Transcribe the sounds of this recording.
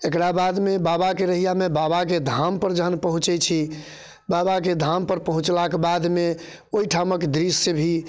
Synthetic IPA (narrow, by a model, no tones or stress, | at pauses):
ekɾabad̪mebabakeɾəɦijamebabaked̪ʱampəɾd͡ʒəɦənpəɦũt͡ʃɛt͡ʃʰi | babaked̪ʱampəɾpəɦũt͡ʃlakebad̪me | oiʈʰaməkd̪ɾisːəbʱi